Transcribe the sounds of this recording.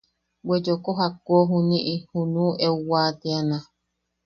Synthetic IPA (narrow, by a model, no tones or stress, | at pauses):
wed͡ʒokoɦakoɦunĩʔihunũʔewwat̪eanã